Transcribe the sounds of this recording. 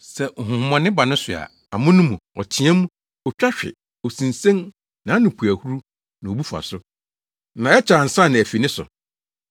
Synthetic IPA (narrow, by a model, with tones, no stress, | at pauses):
sɛ˨ŋ̩˨ɦʊ̃˨hʊ̃˨mɔ̃˨nɪ̃˦ba˨nʊ̃˦sʊ˨a̰˨ | a˨mʊ̃˦nʊ̃˦mũ˨ɔ˨t͡ɕʰɪ̃˨˦ɛ̃˦mũ˦ | ɔ˨t͡ɕᶣa˦ɕᶣɪ̰˨ | ɔ˨sĩ˨nsẽ˦n | nã˨˦nʊ̃˨pʰu˨æ˨hu˦ɾu˦ | nã˨o˨bu˦fa̰˨sʊ˦ | nã˨ɛ˦t͡ɕʰa˨n̩˨sa˦˨nɪ̃˨æ˨fi˨nɪ̃˦sʊ̰˨